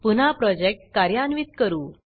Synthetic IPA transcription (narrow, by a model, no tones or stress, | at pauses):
pun̤apɾɔd͡ʑek̚ʈ̚kaɾjanʋit̪kəɾuː